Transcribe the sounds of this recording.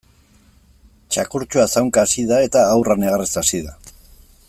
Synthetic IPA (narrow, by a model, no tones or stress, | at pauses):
t͡ʃakuɾt͡ʃuasawŋkaːsiðae̞t̪aːwraneɣaresasiða